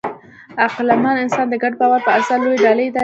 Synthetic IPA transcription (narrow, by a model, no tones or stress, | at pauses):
aqlamɑnɪnsɑnd̪əɡaɖ̚pɑwalpəaɾsalojeɖɑləjd̪a